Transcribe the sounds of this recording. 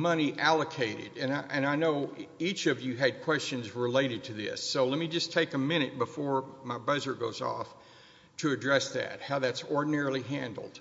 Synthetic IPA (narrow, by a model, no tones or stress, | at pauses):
mʌñiʔælˠəkʰeɪɾɨ̰ɾɨ̃nʔɨ̃naɪnoʊit͡ʃʌvjɨɨd̚kʰw̥ɛst͡ʃɨ̃nzɹɨleɪɾɨd̚tʰɨðɪ̰sːoʊlɛt̚mid͡ʒʌstʰeɪkəmɪ̃ɾ̃ɨt̚b̥əfɔɹmaɪbʌzə˞ɡoʊzɔ̰f | tʰɨɨdɹɛsðɨ̰t̚haʊðætsɔɹdⁿn̩ɛɹl̩ˠiɦæ̃ndˡl̩ˠd̥